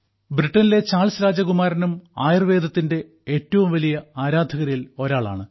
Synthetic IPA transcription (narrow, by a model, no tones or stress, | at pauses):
briʈːɐnile̞t͡ɕaːɭsɾaːd͡ʑɐɣumaːɾɐnumaːjrʋe̞ːd̪ʱɐt̪ːinde̞ | eːtːɐʋumʋɐlijɐaːɾaːd̪ʱɐɣɐɾjilo̞ɾaːɭa̰ːɳɨ